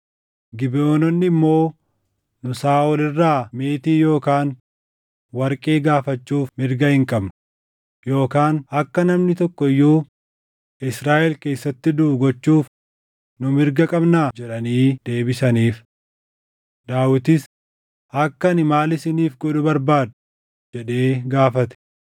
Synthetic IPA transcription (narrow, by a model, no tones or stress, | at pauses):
ɡɪboːnɔnːɪmːo̞ː | nʊsaːʔɔlɪrːaːmeːt̪iːjo̞ːkaːn | wɐɾkʼe̞ːɡaːfɐt͡ʃːuːfmɪɾɡɐhɪŋkʼɐbnʊ | jo̞ːkaːnɐkːɐnɐmnɪt̪ɔkːɔɪjːuː | ɪsɾaːʔɛlke̞ːsːɐt̪ːɪd̪ʊɡɔt͡ʃːuːf | nʊmɪɾɡɐkʼɐbnaːd͡ʒɛᶑɐniːd̪̥e̞ːbɪsɐniːf | d̪aːwɪt̪ɪs | ɐkːɐnɪmaːlɪsɪniːfɡɔᶑʊbɐɾbaːd̪ʊ | d͡ʒɛᶑe̞ːɡaːfɐt̪ɛ̥